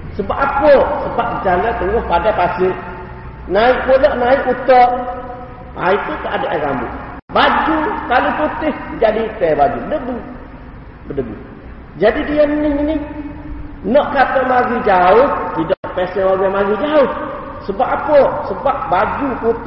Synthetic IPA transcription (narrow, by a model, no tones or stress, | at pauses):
səbapapɔsəbap̚kəd͡ʒalət̪əŋɔhpadapasɪʔ | naɪʔpolɔʔnaɪʔut̪ɔʔ | ʔa̰it̪uk̪aʔadaʔaka̰mbʊ̰ʔbad͡ʒukalʊput̪ɪhd͡ʒadit̪ɛbad͡ʒubədəbu | bədəbṵ | d͡ʒadidiənnɪinɪh | nɔʔkat̪əmaɡid͡ʒaʊht̪idɔʔpɛsɛnoɡamaɡid͡ʒaʊh | səbapapɔsəbap̚bad͡ʒukut̪